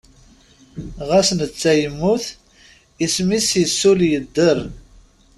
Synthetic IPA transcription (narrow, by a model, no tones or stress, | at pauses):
ʁæsnət͡sːæjəmːuθ | ismisjəsːuljəd̪ːəɾ